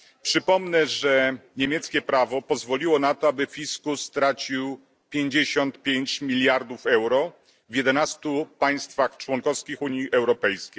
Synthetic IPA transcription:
pʂɘpɔmnɛʐɛɲemʲjɛt̪skʲɛpɾavɔpɔzvɔlʲiwɔnat̪ɔabɘfʲiskust̪ɾat͡ɕiw | pʲjeɲd͡ʑeɕɔnt̪pʲjeɲt͡ɕmʲilʲjaɾd̪ufɛwɾɔ | vʲjɛd̪ɛnast̪upaj̃st̪faxt͡ʂwɔŋkɔfskʲixuɲjiʔɛwɾɔpɛjskʲej

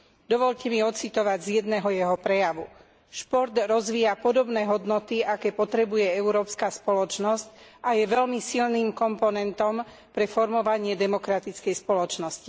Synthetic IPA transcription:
d̪ɔʋɔʎcɛmiɔt͡sit̪ɔʋaɟzjɛd̪nɛːɦɔjɛɦɔpɾɛjaʋu | ʃpɔɾd̪ɾɔzʋiːjapɔd̪ɔbnɛːɦɔd̪nɔt̪iakɛːpɔt̪ɾɛbujɛɛuɾɔːpskaspɔlɔt͡ʃnɔsc | ʔajɛʋɛlmisilniːmkɔmpɔnɛnt̪ɔm | pɾɛfɔɾmɔʋaɲɪɛd̪ɛmɔkɾat̪it͡skɛjspɔlɔt͡ʃnɔsci̥

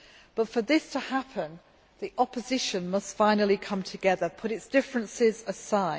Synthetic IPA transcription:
b̥ʌtfəðɪstʰəhapʰə̃n | ðiʔɒpəzɪʃə̃nmʌstfãɪ̃nəlˠikʰʌ̃mtʰəɡɛðəpʰʊɾɪtsd̥ɪfɹə̃nsɪzəsaɪ̥

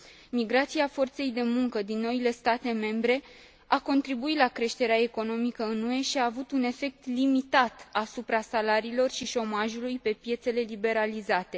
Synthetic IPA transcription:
miɡɾat̪siafo̞rt̪se̞jd̪e̞muŋkəd̪inːo̞ile̞st̪at̪e̞me̞mbɾe̞ | ako̞nt̪ɾibuit̪lakɾe̞ʃt̪e̞ɾeae̞ko̞no̞mikəɨnue̞ʃiaːvut̪une̞fe̞k̚t̪limit̪at̪asupɾasalaɾiːlo̞rʃiʃo̞maʒulujpe̞pje̞t̪se̞le̞libe̞ɾalizat̪e̞

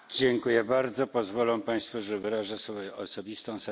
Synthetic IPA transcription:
d͡ʑɛŋkujɛbaɾd̪zɔpɔzvɔlɔ̃paj̃st̪fuʐɛvɘɾaʐɛsfɔjɛɔsɔbʲist̪ɔ̃w̃sɛ

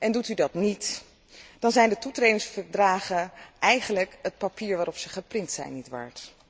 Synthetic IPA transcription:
ʔɛndutydɑtnit | d̥ɑnzɛjndətutrejdɪŋsfəɹdraːχənʔɛjχənləkət̚papiːɹʋaːɾɔpsəχəprɪntsɛ̰jnːitʋa̰ːɹt

